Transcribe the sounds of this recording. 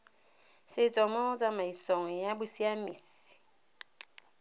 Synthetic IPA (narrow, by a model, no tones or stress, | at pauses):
sed͡zɔmɔd͡zamaisɔŋɛjabusiamis